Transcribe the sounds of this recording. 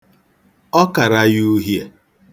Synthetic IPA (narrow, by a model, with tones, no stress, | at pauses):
ɔ˦ka˨ɾa˦ju˦ɦje˦